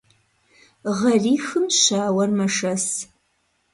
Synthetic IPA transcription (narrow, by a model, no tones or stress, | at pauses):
ʁɐriːxɨmɕaːwɐrmɐʂɐs